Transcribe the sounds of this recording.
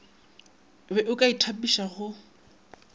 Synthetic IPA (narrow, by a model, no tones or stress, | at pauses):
bɛʔʊkʼaitʰapiʃaχʊ